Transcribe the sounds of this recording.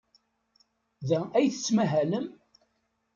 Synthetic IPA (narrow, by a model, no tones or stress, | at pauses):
ðææjθə̥t͡sːmæɦæləm